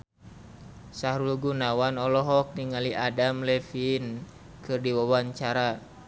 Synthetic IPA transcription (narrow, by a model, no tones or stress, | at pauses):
saɦɾulɡunawanɔlɔɦɔk̚niŋaliʔadamlɛfin | kɨrdiwawaɲt͡ʃaɾa